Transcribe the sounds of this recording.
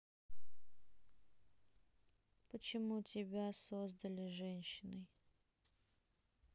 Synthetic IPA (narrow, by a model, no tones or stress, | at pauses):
pət͡ɕɪmutʲɪbʲasozd̪əlʲɪʐɛnʲɕːɪnəj